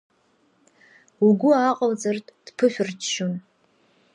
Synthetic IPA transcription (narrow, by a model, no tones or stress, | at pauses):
uɡʷʊaqʼald͡zartʼd̥pʰɨʃʷᶣʊrt͡ʃʰʃun